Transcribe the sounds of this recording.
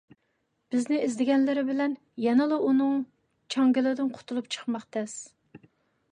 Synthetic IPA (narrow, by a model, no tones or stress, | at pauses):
b̥ɪznɪizd̪ɪɡʲɛnlɪɾɪbɪlɛn | jɛnɨlˠɨʔunɨŋ | t͡ʃʰɑŋɡʲɪlˠɪd̪ɪnqʰʊ̥t̪ʰulˠup̚t͡ʃʰə̥χmɑqt̪ʰɛs